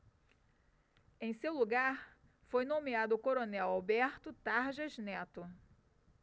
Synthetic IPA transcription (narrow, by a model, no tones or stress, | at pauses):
ẽj̃sewluɡaɾ | fojnõmead̪ʊkoɾonɛwawbɛɾt̪ʊt̪aɾʒɐznɛt̪ʊ